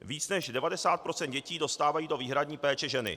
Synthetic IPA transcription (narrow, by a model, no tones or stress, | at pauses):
viːt͡snɛʃdɛvadɛsaːt̪̚pɾo̞t͡sɛnd̪̚ɟɛciːdo̞st̪aːvajiːdo̞viːɦɾadɲiːpɛːt͡ʃɛʒɛnɪ̰